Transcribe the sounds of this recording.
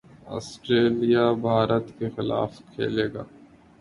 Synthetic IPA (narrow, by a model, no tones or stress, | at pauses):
ɔ̰ːsʈɾeːlijabʱaːɾət̪kexɪla̰ːfkʰḛːleːɡa̰ː